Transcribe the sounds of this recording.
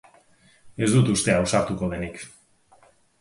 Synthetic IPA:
e̞zðd̪ut̪ust̪e̞awsaɾt̪ukoβenik

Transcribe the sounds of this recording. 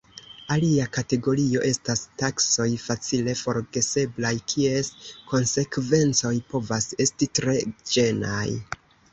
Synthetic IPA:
aliakate̞ɡo̞ɾio̞ʔe̞stastakso̞jfat͡sile̞fo̞ɾɡe̞se̞blajkʰie̞sko̞nse̞kve̞nt͡so̞jpo̞vase̞stitɾe̞d͡ʒe̞na̰j

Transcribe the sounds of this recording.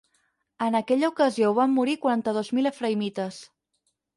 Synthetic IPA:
ənəkɛʎəukəzioβamːuɾikwuɾant̪əð̞ozmiləfɾəjmit̪əs

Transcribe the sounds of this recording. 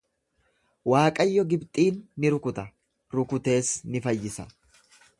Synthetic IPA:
waːkʼɐjːɔɡɪbt̪ʼiːnːɪɾʊkʊt̪ɐ | ɾʊkʊt̪e̞ːsnɪfɐjːɪsɐ

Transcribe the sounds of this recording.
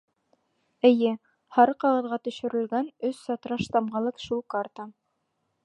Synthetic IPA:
ɘ̆jɘ | hɑɾɤqɑʁɤ̆ðʁɑt̪ɵ̆ʃɵ̆ɾɘ̆lɡænɵsːɑt̪ɾɑʃt̪ɑmʁɑlˠɤqʃulˠkart̪ɑ

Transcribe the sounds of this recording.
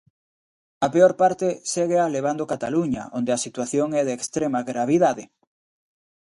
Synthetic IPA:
ɐpeoɾpaɾt̪ɪseɣealeβ̞and̪okat̪aluɲɐ̰ʔond̪eɐsit̪waθjoŋɛðeːkst̪ɾemɐɣɾaβ̞iðaðe

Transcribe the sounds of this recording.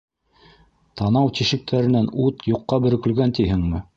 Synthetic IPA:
t̪ɑnɑwt̪iʃɘ̆k̚t̪ʰæɾɘ̆nænʉt̪juqːɑbɵ̆ɾɵ̆kɵ̆lɡænt̪iɦɘŋmɘ

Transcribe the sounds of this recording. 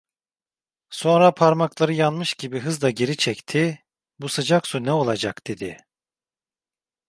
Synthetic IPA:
so̞nɾapʰaɾmaklˠaɾɯjanmɯʃɟibiɦɯzd̪aɟe̞ɾit͡ʃʰɛct̪ʰi | busɯd͡ʒaksunɛo̞lˠad͡ʒakd̪̥e̞d̪ɪ

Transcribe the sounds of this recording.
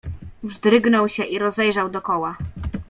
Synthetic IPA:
vʐd̪ɾɘɡnɔwɕɛʔiɾɔzɛjʐawd̪ɔkɔwa

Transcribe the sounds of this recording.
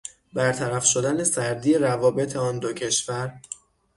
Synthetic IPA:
bæɾt̪ʰæɾæfʃo̞d̪æne̞sæɾd̪ijeɾævɒːbe̞t̪ʰe̞ɒːnd̪ocʰe̞ʃvæɾ

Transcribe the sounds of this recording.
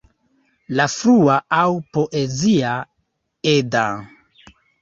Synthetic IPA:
lafɾuaawpo̞ʔe̞zia | eda

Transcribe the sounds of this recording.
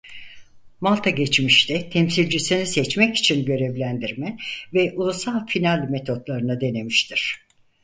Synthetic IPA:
malˠt̪ʰaɟɛt͡ʃmiʃt̪ʰɛt̪ʰɛmsilʲd͡ʒisinisɛt͡ʃmɛci̥t͡ʃʰinɟø̞ɾɛvlʲænd̪iɾmɛvɛʔulˠusalˠfinalʲmet̪ʰo̞t̪lˠaɾɯnad̪e̞ne̞miʃt̪ʰiɾ̥

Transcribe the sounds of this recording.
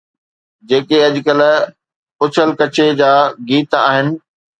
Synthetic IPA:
d͡ʑeːkeɐʄʊkəl | ʊt͡ɕʰəlkɐt͡ɕʰed͡ʑaːɡiːt̪a̰ːɦɪnɪ̆

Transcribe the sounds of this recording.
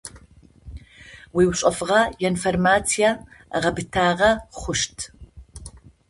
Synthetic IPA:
wiːwɕʼɐfʁɐjɛnformaːt͡sʰijaʁɐbɨtʰaːʁɐχʷʊʂtʰ

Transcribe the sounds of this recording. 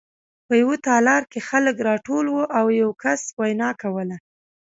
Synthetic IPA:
pəjawot̪ɑlɑɾkexaləkɾɑʈolwoʔawjawkaswajnɑkawəla

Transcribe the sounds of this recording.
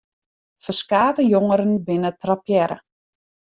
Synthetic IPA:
fərskaːtəjoŋəɾənbɪnətrapjɛɾə̰

